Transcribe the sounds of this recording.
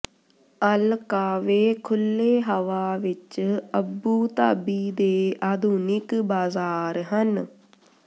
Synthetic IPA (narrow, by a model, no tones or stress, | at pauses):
əlkaːʋeːkʰʊlːeːɦəʋaːʋɪt͡ʃəbuːt̪a̰ːbiːd̪eːaːd̪ʱuːnɪkbaːzaːɾɦən